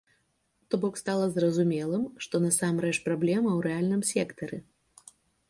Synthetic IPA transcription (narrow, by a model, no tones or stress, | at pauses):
t̪ɔbɔkst̪alˠɐzrɐzumʲɛlˠɨmʂt̪ɔnɐsamrɛt͡ʂpɾablʲɛmɐwɾɛalʲnɨmsʲɛkt̪ɐɾɨ